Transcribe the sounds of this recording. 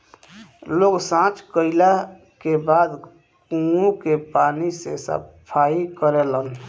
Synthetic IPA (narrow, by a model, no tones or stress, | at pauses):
loɡsãt͡ʃkəɪla | kebad̪ | kũũkepanisḛsə̰pʰaikəɾelən